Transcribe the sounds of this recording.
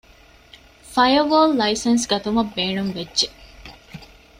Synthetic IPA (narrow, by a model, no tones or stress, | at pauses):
fɐjɐʋoːlːɐisɐnsɡɐt̪umɐbːeːnuŋʋedʒe